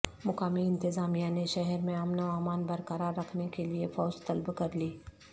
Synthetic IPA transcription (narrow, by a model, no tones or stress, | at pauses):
mʊkaːmiɪ̃nt̪ɪzaːmijaneʃɛɦɛɾmẽɐmnoaːmaːnbɐɾkɐɾaɾːɐkʰnekeliefɔːd͡ʒt̪ɐlbkɐɾliː